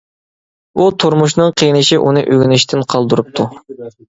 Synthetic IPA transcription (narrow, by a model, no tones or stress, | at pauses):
ut̪ʰuɾmuʃ̬nɨŋqʰejnɪʃiʔunɨʔøɡʲynɪʃt̪ʰɪnqʰɑlˠd̪uɾup̚t̪ʰu